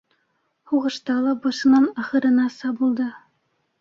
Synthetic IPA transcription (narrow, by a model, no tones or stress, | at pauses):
huʁɤ̆ʃt̪ɑlˠɑbɑʃɤ̆nɑnɑχɤ̆ɾɤ̆nɑsɑbulˠd̪ɤ